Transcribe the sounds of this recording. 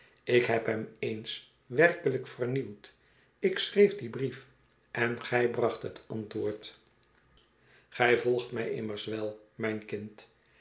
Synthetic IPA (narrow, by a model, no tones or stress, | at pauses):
ɪkɦɛpɦɛmejns | ʋɛrkələkfərniwt | ɪksrejfdibrif | ʔɛnχɛjbrɑχtɦətɑntʋʊːɹt | χɛjvɔlˠχtmɛjʔɪ̰mərsʋɛlˠmɛjnkɪnt